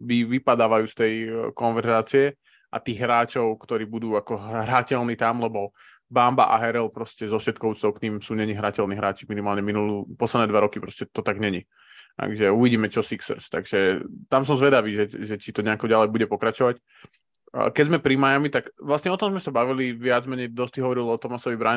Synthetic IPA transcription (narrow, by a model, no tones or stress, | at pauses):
ʋiʋipad̪aːʋajuːst̪ɛjkɔnʋɛɾzaːt͡siɛ | ʔa̰t̪iːɣɦɾaːt͡ʃɔʊkt̪ɔɾiːbud̪uːakɔɦɾacɛlniːt̪amlɛbɔ | bamba̰ʔa̰ɦɛɾɛlpɾɔscɛzɔfʃɛt̪̚kɔʊut͡st̪ɔʊkɲimsuːɲɛɲiɦɾacɛlniːɦɾaːt͡ʃiminimaːlɲɛminulupɔslˠɛd̪nɛːd̪ʋaɾɔkipɾɔscɛt̪ɔt̪aɡɲɛɲi | a̰ɡʒɛuʋiɟiːmɛt͡ʃɔsiksɾst̪aɡʒɛt̪ams̬ɔmzʋɛd̪aʋiːʒɛʒɛt͡ʃit̪ɔɲɛakɔɟalɛjbuɟɛpɔkɾat͡ʃɔʋacː | kɛɟzmɛpɾimajamit̪akʋlasɲɛɔt̪ɔmzmɛsabaʋiliʋɪad͡zmɛɲɛjd̪ɔst̪iɦɔʋɔɾilɔt̪ɔmasɔʋibɾa